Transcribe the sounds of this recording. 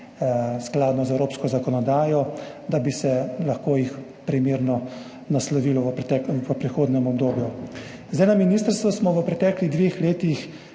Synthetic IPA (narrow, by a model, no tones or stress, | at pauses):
sklaːd̪nɔzɛwɾoːpskɔzakɔnɔd̪aːjɔd̪abisɛlaxkoːjix | pɾimeːɾnɔ | naslɔʋiːlɔʋəpt̪ɛʋəpɾixoːd̪nɛmɔbd̪oːbju | zdajnaminiːst̪əɾst̪ʋɔsmɔʋəpɾɛt̪ɛːkliɣd̪ʋeːxleːt̪ix